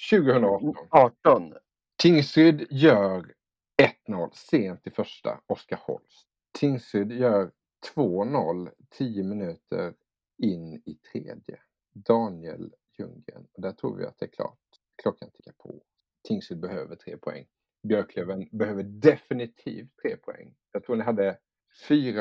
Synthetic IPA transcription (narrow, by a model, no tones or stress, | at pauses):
ɕʉ̟ːɡəhɵnd̪ɾaɔɔnɑːʈɔn | t̪ʰɪŋsɾʏd̪jœːɾ | ɛt̪nɔlːseːnt̪ɪfœʂʈa̰ɔskahɔ̰ls | t̪ʰɪŋsɾʏd̪jœːɾ | t̪ʰvoːnɔlːt̪ʰiːjəmɪnʉ̟ːt̪ʰə̰ɾ | ɪnːɪt̪ʰɾḛːd̪jə̰ | d̪ɑːnɪə̰ljɵŋə̰nɔd̪æʈʰɾṵːvɪ̰at̪̚d̪ɛːɾkʰlɑ̰ːʈ̚ | kʰlɔkʰːanɪnʰɪkːapʰɔ | t̪ʰɪŋsʏd̪̚bɛhøːvəʈʰɾḛːpʰɔɛ̰ŋː | bjœɾkʰløvənbɛhøːvəɖɛfɪnɪt̪ʰḭːft̪ʰːɾeːpʰʊɛ̰ŋːjɑt̪ʰɾuːnɪɦad̪ːə | fyːɾa